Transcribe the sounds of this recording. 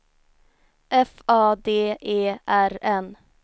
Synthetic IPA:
ʔɛfɑːd̪eːʔeːʔæɾɛn

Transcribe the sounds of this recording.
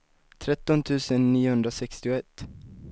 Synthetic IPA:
t̪ʰɾɛt̪ːɔnt̪ʰʉ̟ːsənːiːʊhɵnd̪ɾasɛkst̪ɪʊɛt̪ː

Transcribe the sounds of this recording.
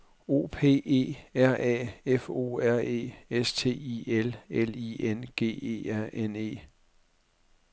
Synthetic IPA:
o̝̰ːpʰe̝̰ːe̝̰ːæɐ̰ʔɛ̰ːefo̝̰ːæɐ̰e̝̰ːest͡sʰe̝̰ːielelienɡ̥e̝̰ːe̝̰ːæɐ̰ʔene̝̰ː

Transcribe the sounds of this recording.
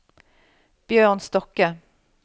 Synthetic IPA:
b̥jøːʁnst̪ɔkə

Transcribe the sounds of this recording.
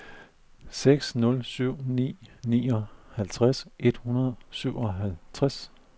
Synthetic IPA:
seɡ̥snɔ̽lsyʊ̰nḭːniːɒhælt͡sʰʁasʔe̝d̥hunɐðˠsyʊ̰ɒ̽ɦælt͡sʰʁas

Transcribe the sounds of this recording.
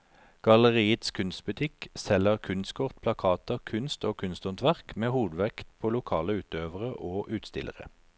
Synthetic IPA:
ɡ̥ɑləʁiːət̪skʰʉnst̪̚bʉt̪ʰɪksɛləʁkʰʉnskʰɔʁt̪̚pʰlɑkʰɑːt̪əʁkʰʉnst̪oːkʰʉnst̪ʊnt̪ʰʋæʁkmeːhuːd̪ʋɛkt̪̚pʰoːlʊkʰɑːləʉːt̪øːʋəʁəʔoːʔʉːt̪st̪ɪ̰lə̰ʁə̰

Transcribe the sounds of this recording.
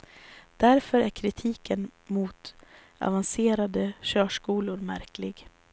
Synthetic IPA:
d̪̥æɾfœɾæɾkʰɾɪt̪ʰiːkənmuːt̪ | a̰vanseːɾad̪əɕœːʂkuːlʊɾmæɾklɪɡ

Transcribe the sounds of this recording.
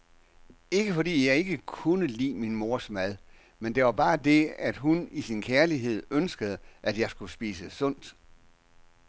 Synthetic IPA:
e̝ɡ̥əfɒ̽d̥ḭːjɑ̈ɪe̝ɡ̥əkʰunəlḭːminmo̝ɐsmæð̞ˠ | mend̥e̝ʋɑ̈b̥ɑ̈ːd̥e̝æd̥ɦunisinkʰæɐliɦe̝ð̞̰ˠønsɡ̥əð̞̩ˠəʔæd̥jɑ̈ɪsɡ̥usb̥ḭːsəsɔ̽n̰d̥

